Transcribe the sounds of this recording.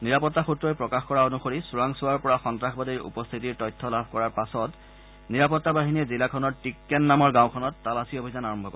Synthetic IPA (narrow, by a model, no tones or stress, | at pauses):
niɹapɔtːaxutɹɔjpɹɔkaxkɔɹaonuxoɹisuɹaŋsuwaɹpɔɹaxɔntɹaxbadiɹṵpɔst̪ʰitiɹtɔjtʰːɔlabʱkɔɹaɹpasɔt | niɹapɔtːabaɦiniɛzilakʰɔnɔɹtikːɛnːamɔɹɡãwkʰɔnɔtːalasiobʱizanaɹɔmbʱɔkɔ